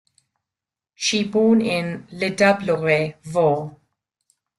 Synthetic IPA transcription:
ʃiboːnɪ̃nlɪdɐbləʁevɔː

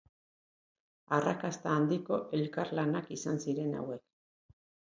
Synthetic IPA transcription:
arakast̪aːnd̪iko̞ʔe̞lkaɾlanakisansiɾe̞na̰we̞k

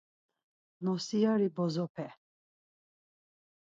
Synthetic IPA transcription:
nɔsijaɾibɔzɔpʰɛ

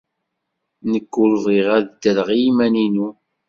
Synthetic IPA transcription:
nəkːʊlðˤiʁæðd̪əɾʁijimæninu

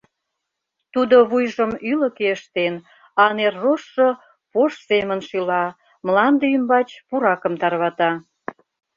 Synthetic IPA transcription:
t̪ud̪oβujʒəmylə̆keəʃt̪en | ɑnerːoʃːo | poʃsemə̆nʃylɑ | mlɑnd̪eymbɑt͡ɕpuɾɑkə̆mt̪ɑrβɑt̪ɑ

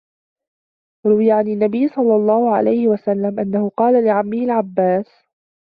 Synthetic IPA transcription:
ɾʊwɪjaʕanɪnːabɪjːsˤɑlːɑlˤːɑːhʊʕa̰lajhɪwasalːamʔanːahʊqɑːlalɪʕamːɪhɪlʕabːaːs

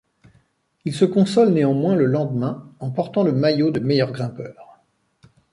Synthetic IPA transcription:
ilsəkɔ̃sɔlneɑ̃mwɛ̃ləlɑ̃d̪əmɛ̃ɑ̃pɔʁt̪ɑ̃ləmajod̪əmɛjœʁɡʁɛ̃pœːʁ

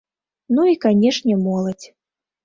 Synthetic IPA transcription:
nuikanʲɛʂnʲɛmɔlˠɐt͡sʲ

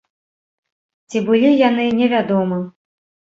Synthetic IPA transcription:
t͡sʲibɨlʲijanɨnʲɛvʲad̪ɔmɐ

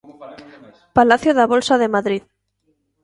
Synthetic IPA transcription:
palaθjoðaβolsaðemaðɾið

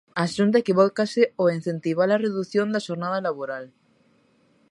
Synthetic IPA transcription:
aːʃunt̪̬aekiβɔkasɪoin̟θent̪iβalareðuθjõnd̪aʃoɾnaðalaβoɾal

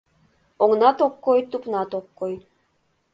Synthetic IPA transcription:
oŋnɑt̪okːojt̪upnɑt̪okːoj

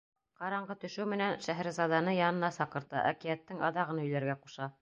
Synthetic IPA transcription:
qɑɾɑɴɢɤt̪ɵ̆ʃɘwmɘ̆nænʃæɦæɾzɑd̪ɑnɤjɑnɤ̆nɑsɑqɤ̆ɾt̪ɑ̰ʔæ̰kijæt̪ːɘŋɑ̰ðɑʁɤ̆nɵ̆jlæɾɡæquʃɑ

